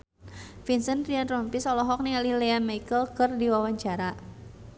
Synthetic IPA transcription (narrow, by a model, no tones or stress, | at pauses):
finsənriant̪ɾɔmpisɔlɔɦɔk̚nialilɛamajkəlkɨrdiwawaɲt͡ʃaɾa